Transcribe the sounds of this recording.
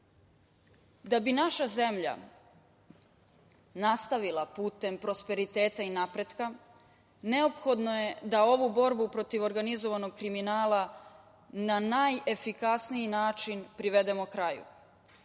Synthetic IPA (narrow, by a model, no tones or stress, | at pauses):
d̪abinaʃaze̞mʎa̰ | nast̪aʋilapuːt̪e̞mpɾo̞spe̞ɾit̪e̞ːt̪ainapɾe̞d̪ka | ne̞o̞pxo̞d̪no̞je̞d̪ao̞ʋubo̞ɾbupɾo̞t̪iʋo̞ɾɡanizo̞ʋano̞ɡ̚kɾiminaːla | nanaːje̞fikasnijinaːt͡ʃinpɾiʋe̞d̪e̞mo̞kɾajṵ